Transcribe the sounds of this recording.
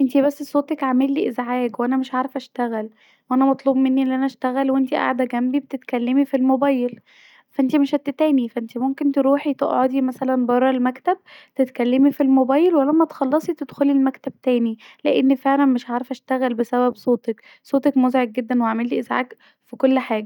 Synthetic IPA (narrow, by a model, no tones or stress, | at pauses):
ʔent̪ibæsːsˤoːt̪ˤɑkʕamelːiʔezʕaːkwʔænæmeʃʕaɾefʔæʃt̪æɣæl | wʔænæmɑt̪ˤluːbmenːiʔelːʔænæʃt̪æɣælwʔent̪iʔa̰ʕd̪æɡæmbibet̪et̪kælːemifilmobæːjel | fæʔent̪imeʃhæt̪ːet̪æːnifæʔent̪imomkent̪eɾuːħit̪eʔʕod̪imæsælænbɑrˤːɑlmækt̪æb̚t̪et̪kælːemifilmobɑːjelwælːæmːæt̪xɑlːɑsˤit̪ed̪xolilmækt̪æb̚t̪æːnileʔenːfeʕlænmeʃʕaɾefʔæʃt̪æɣælbesæbæbsˤoːt̪ek | sˤoːt̪ˤekmozʕeɡ̚ɡed̪ːænweʕamelːiʔezʕa̰ːk | fikolːħaːɡæ